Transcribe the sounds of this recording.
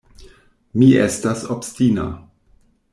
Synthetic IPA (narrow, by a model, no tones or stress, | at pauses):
miʔestasopstina̰